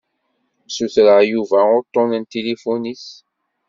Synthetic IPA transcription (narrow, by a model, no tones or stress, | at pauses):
suθɾəʁjuvæʊɾt̪ːɔ̃nənt̪elefonis